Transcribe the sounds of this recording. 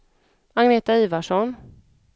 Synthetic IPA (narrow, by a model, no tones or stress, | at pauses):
aŋneːt̪aiːvaʂɔn